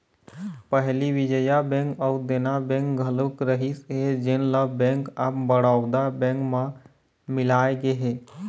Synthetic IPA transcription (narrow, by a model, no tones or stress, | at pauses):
pəɦliʋɪd͡ʒəjabɛ̃ŋkɔud̪enabɛ̃ŋkɡʱələkɾəɦisɦed͡ʒɪnləbɛ̃ŋkapbəɽaːʊd̪abɛ̃ŋkma | mɪlaːeɡeɦeː